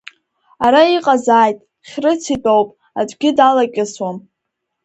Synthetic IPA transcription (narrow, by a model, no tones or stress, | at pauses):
aɾaiqʼazaːjtʼ | χʲrɨt͡sʰitʼowpʼ | ad͡ʒʷʼɡʲɪdalakʲʼɪswam